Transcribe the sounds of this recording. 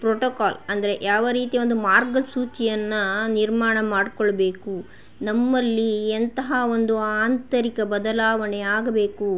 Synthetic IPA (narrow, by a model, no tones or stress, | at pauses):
pɾoːʈoːkaːlɐnd̪ɐɾe̞ʔjaːʋɐɾiːt̪iʋo̞nd̪umaːɾɡɐsuːt͡ʃijɐnːɐniɾmaːɳɐmaːɖkɔɭːɐbe̞ːku | nɐmːɐlːient̪ɐɦao̞nd̪uaːnt̪ɐɾikɐbɐd̪ɐlaːʋɐɳeaːɡɐbe̞ːku